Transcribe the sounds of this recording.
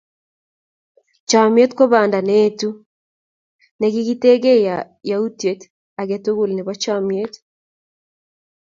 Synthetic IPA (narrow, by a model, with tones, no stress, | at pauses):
t͡ʃa˨mje˦tko˦βa˨nda˨netu˦ | nɛ˨ɡi˦ɡi˦te˦ɡe˦ja | ja˨u˦tje˨t | a˨ɡɛ˨to˦ɣu˦˨lne˨βat͡ʃamje˦t